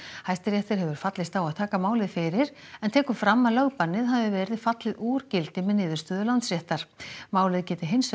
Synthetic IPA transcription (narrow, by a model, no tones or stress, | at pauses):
hajst̪ɪɾjɛht̪ɪɾ̥ɦɛvʏɾ̥fat̪lɪst̪awaðt̪ʰaːkamaːwlɪðfɪɾɪɾɛnt̪ʰɛːkʏfɾamːaðlœɣpanːɪðɦaðvɪvɛːɾɪðfat̪lɪðuːɾcɪlt̪ɪmɛðnɪːðʏɾst̪œːðʏlant̪srjɛht̪aɾ̥maːwlɪðcɛːt̪ɪɦɪns